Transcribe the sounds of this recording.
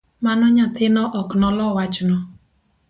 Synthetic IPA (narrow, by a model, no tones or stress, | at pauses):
manɔɲat̪ɪnɔʔɔknɔlɔwat͡ʃnɔ